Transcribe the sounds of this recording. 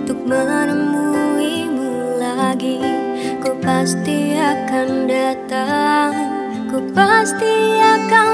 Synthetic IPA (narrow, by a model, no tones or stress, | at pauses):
t̪uk̚maanəmui | mu | laɡi | kupast̪iakandat̪aŋ | kupast̪iaka